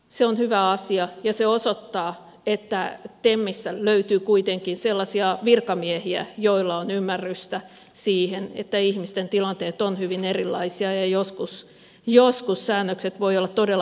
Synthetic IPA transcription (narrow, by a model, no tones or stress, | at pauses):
seonhyʋæɑsiɑjɑseosot̪ːɑː | et̪ːæt̪emːisːæløyt̪yːkuit̪eŋkinselːɑsiɑʋirkɑmiehiæ̰joilːɑonymːærːyst̪æ | siːhenḛt̪ːæihmist̪ent̪ilɑnt̪eːt̪onhyʋinerilːɑ̰isiɑjɑjoskus | joskusːæːnːøkset̪ʋoiolːɑt̪t̪odelː